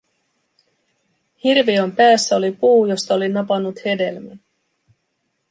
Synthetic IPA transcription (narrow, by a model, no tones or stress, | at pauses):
hirʋio̞mpæːsːæo̞lipuːjo̞st̪ɑo̞linɑpɑnːut̪he̞de̞lmæn